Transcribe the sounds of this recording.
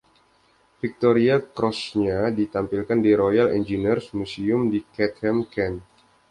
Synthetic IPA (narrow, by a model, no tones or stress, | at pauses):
fik̚t̪oɾiakɾɔsɲadit̪ampilkandiɾojalɛ̰nd͡ʒinirsmusiʊmdikɛt̪̚hɛmkɛn